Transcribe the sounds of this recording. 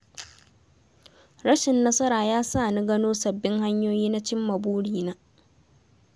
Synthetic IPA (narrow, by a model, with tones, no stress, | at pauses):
ɾɐ˦ʃɪ˨nːɐ˦sɐ˦ɾaː˨jaː˦saː˦˨ni˦ɡɐ˦noː˦sɐ˨bːɪ˦ŋha˦ɲjoː˦jiː˦na˦t͡ʃɪ˦mːɐ˨buː˦ɽiː˨naː˦